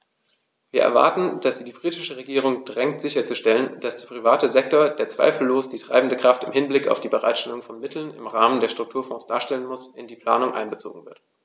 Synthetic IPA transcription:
viːɐʔɛ̰ɐva̰ɐtn̩d̥asz̥iːdiːbʁiːtɪʃəʁeɡiːʁ̞ʊŋdʁɛŋtz̥ɪçɐt͡suʃtɛlənd̥asd̥eːɐpʁ̥ivaːtəzɛk̚toɐd̥eːɐt͡sv̥a̰ɪfl̩loːsd̥iːtʁ̥a̰ɪbn̩dəkʁ̥aftɪmhɪnblɪka̰ʊfd̥iːbəʁa̰ɪtʃtɛlʊŋfɔnmɪtʰl̩nɪ̰mʁaːməndeːɐʃtʁ̥ʊktʰuːɐfɔ̃ːsd̥aːɐʃtɛlənmʊsʔɪndiːpʰl̥a̰ːnʊŋʔa̰ɪnbət͡so̰ːɡŋ̩vɪɐt

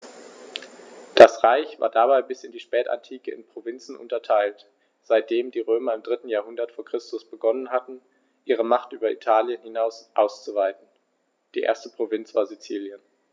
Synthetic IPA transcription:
d̥asʁaɪçv̥a̰ːɐdabaɪbɪsɪndiːʃpɛːta̰ntʰiːkəɪ̰npʁ̥ovɪnt͡sn̩ʔʊ̰ntɐtʰaɪlt | z̥aɪt̚d̥eːmdiːʁøːmɐɪmdʁɪtn̩jaːɐɦʊndɐtfoːɐkʁ̥ɪstʊsb̥əɡɔnənɦatn̩ | ʔiːʁ̞əmaχtʔyːbɐʔḭtʰaːljənhɪnaʊsʔaʊst͡suvaɪtn̩ | d̥iːʔḛːɐstəpʁ̥ovɪnt͡sv̥aːɐzit͡siːljən

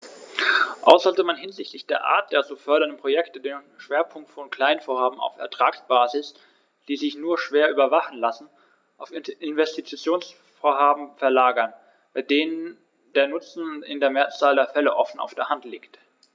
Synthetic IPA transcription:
ʔa̰ʊsz̥ɔltəmanɦɪnzɪçtʰlɪçd̥eːɐʔa̰ːɐt̚d̥eːɐt͡sufœɐɾɐndənpʁ̥ojɛktədeːnʃv̥eːɐpʰʊŋk̚tfɔnkl̥aɪnənfoːɐhaːbm̩a̰ʊfɛ̰ɐtʁ̥aːksb̥aːzɪs | d̥iːzɪçnuːɐʃv̥eːɐʔyːbɐvaχn̩lasn̩ | ʔaʊfɪʔɪnvɛstit͡st͡sjoːns | foːɐɦaːbm̩fɛɐlaːɡɐn | b̥aɪdeːnən | deːɐnʊt͡sn̩ɪ̰ndeːɐmeːɐt͡saːldeːɐfɛləʔɔfn̩ʔa̰ʊfd̥eːɐhantliːkt

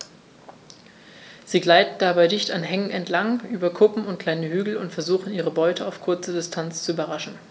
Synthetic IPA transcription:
z̥iːɡlaɪtn̩d̥abaɪdɪçtanɦɛŋənɛntlaŋʔyːbɐkʰʊpm̩ʊntkʰl̥aɪnəhyːɡl̩ʊntfɛɐzuːχn̩iːʁəbɔʏtʰəaʊfkʰʊɐt͡sədɪstʰant͡st͡suyːbɐʁaʃn̩

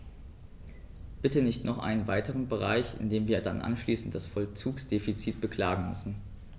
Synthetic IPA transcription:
b̥ɪtənɪçtnɔχʔa̰ɪnənvaɪtəʁ̞ənbəʁa̰ɪçɪ̰ndeːmviːɐdanʔa̰nʃliːsn̩td̥asfɔlt͡suːksd̥eːfit͡siːt̚b̥əkʰl̥aːɡŋ̩mʏ̰sn̩

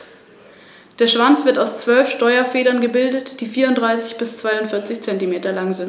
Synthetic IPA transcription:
d̥eːɐʃv̥ant͡sv̥ɪɐtaʊst͡sv̥œlfʃtɔʏɐfeːɾɐnɡəbɪldətd̥iːfiːɐʊntdʁaɪsɪçb̥ɪst͡sv̥aɪʊntfɪɐt͡sɪçt͡sɛntimeːtɐlaŋzɪnt

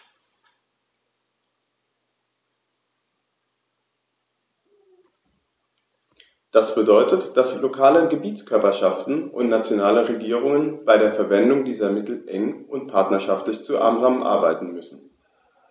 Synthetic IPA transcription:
d̥asb̥ədɔʏtətd̥aslokʰaːləɡəbiːtt͡skʰœɐpɐʃaftn̩ʔʊ̰ntnat͡sjonaːləʁeɡiːʁ̞ʊŋənb̥aɪɾeːɐfɛɐvɛndʊŋdiːzɐmɪtl̩ʔɛŋʔʊntpʰaɐtnɐʃaftlɪçt͡suʔa̰ːmzammʔa̰ɐbaɪtn̩mʏsn̩

